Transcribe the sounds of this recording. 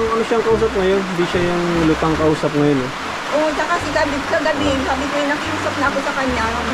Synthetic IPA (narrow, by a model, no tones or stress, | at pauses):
ŋʔɐnoʃaŋkɐʔuːsɐp̚ŋɐjonhɪnd̪iʃajʊŋlʊkaŋkɐʔuːsɐp̚ŋɐjonɛ | ʔot͡ʃakɐsɪkɐbɪkɐɡɐbiɪnsaːbɪkojɪnɐkɪʔuːsɐp̚nɐʔɐko̞sɐkɐɲːa